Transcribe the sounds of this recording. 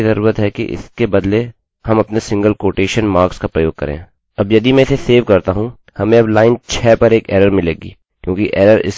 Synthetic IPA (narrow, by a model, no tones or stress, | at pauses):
izɐɾuːɾət̪ɦɛkḭʔɪ̰skebɐd̪le | hɐmɐpnesɪ̃ŋɡəlkoːʈeːʃənmaːɾkskapɾɐjoːɡ̚kɐ̰ɾḛ̃ː | ɐbjɐd̪imɛ̃ɪseseːʋkɐɾt̪aɦũ | hɐmẽɐblaːɪnt͡ʃʰɛːpɐɾeːkɛ̰ːɾəɾmɪleːɡḭː | kjõːkiʔɛːɾəɾɪ̰s